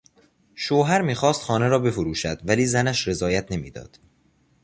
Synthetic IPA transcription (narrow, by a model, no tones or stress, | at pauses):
ʃoːɦæɾmiːxɒːst̪xɒːne̞ɾɒːbe̞foɾuːʃæd̪̥væliːzænæʃɾe̞zɒːjæt̪ʰne̞mḭːd̪ɒ̰ːd̪̥